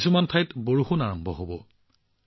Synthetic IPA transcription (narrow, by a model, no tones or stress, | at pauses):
sumantʰajtboɹuxunaɹɔmbʱɔ̰ɦobɔ